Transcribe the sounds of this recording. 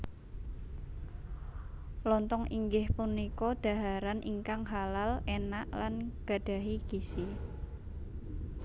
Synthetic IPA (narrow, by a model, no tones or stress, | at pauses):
lɔnt̪ɔŋiŋɡɪhpunikɔd̪̥a̤ɦaɾanʔḭŋkaŋɦalalenaʔlanɡ̥a̤ɖ̥a̤ɦiɡ̥isi